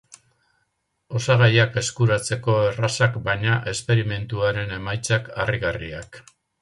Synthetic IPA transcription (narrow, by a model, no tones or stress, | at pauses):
o̞saɣajake̞skuɾat͡se̞ko̞e̞rasakbajɲaʔe̞spe̞ɾime̞nt̪uaɾe̞ne̞majt͡sakariɣariak